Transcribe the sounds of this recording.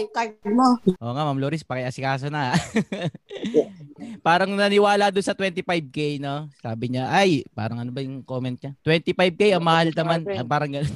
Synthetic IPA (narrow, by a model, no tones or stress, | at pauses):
kad̪̚moʔo̞ːŋamamloːɾɪspɐkɐjʔɐsɪkaːs̬onɐaʔ | paːɾɐŋnɐnɪwaːlɐd̪onsɐt̪wɛnt̪ɪpajb̚kejnosaːbɪɲaʔajpa̰ːɾɐŋɐnobɐjʊŋkoːmɛnt̪̚ɲɐt̪wɛnt̪ɪpajb̚kejʔɐŋmɐhalt̪ɐmanɐpaːɾɐŋɡɐnon